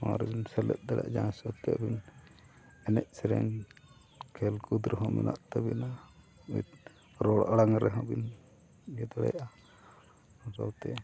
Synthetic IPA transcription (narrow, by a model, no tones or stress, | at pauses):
ãɾɛbinsɛlɛt̪̚d̪ɛɽa̰ʔd͡ʒãsɔt̪ɛja̰ʔbin | ɛnɛʔ̚sɛɾɛ̰n | kʰɛlkud̪ɾɦɔmɛ̰nʔaʔt̪ɛbina | ut̪ | ɾɔɽaɽaŋɾɛɦɔ̃bin | ɡɛd̪ɔɽɛ̰jaʔa | ɔsawt̪ɛ